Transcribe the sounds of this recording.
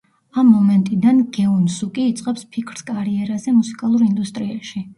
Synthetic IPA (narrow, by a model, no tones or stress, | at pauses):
amːɔmɛnt̪ʼid̪anɡɛunsukʼiːt̪sʼqʼɛpspʰikʰɾskʼaɾiɛɾazɛmusi̥kʼalˠuɾind̪ust̪ʼɾiaʃi